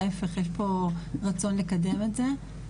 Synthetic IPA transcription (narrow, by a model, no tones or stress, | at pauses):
efeχjeʃpo̞ʁat͡so̞nle̞kade̞metze